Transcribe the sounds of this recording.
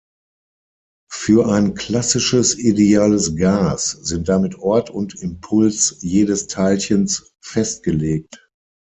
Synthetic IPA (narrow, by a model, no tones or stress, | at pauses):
fyːɐʔaɪnkl̥asɪʃəsideaːləsɡaːsz̥ɪnt̚d̥amɪtʔɔɐtʰʊntɪmpʰʊlsjeːdəstʰaɪlçəns | fɛst̚ɡ̥əleːk̚t